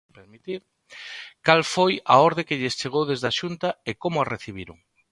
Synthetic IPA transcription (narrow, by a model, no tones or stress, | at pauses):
peɾmit̪iɾ | kalfojɐɔɾðekɪʎest͡ʃeɣ̞owðezðaʃunt̪ɐekomʊareθiβ̞iɾʊŋ